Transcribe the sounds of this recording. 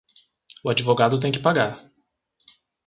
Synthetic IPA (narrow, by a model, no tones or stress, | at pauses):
ʊad͡ʒivoɡad̪ʊt̪̬ẽj̃kɪ̥paɡaɾ